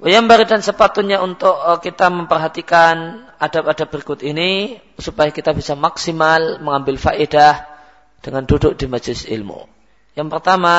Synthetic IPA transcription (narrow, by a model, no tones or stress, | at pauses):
wjambaɾidansəpat̪ʊt̪̚ɲaunt̪ʊʔkːit̪aməmpərɦat̪ikanadapadap̚b̥əɾikʊt̪ini | supajakit̪abisamaksimalməŋambɪlfaʔedah | d̥əŋandudʊk̚dimad͡ʒlɪsḭlmṵ | jaŋpərt̪ama